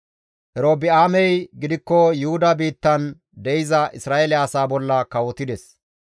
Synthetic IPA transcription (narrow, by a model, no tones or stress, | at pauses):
ʔɛɾoːbɪaːmɛjɡɪd̪ɪkːɔjʊhʊd̪ɐbiːt̪ːɐn | d̪ɛjɪzɐʔɪsɾaːelɪɐsaːbɔlːɐkɐwɔt̪ɪd̪ɛs